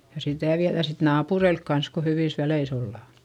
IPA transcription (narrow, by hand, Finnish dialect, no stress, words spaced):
jɑ sitæˑ ʋiæðæ sit nɑːpureilk kɑns ko hyʋiˑs ʋæleis olːɑˑ